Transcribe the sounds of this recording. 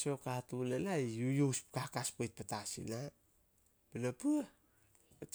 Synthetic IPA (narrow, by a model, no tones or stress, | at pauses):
so̞katunanaijujowspkakaspojt̚patasḭna | penapua | t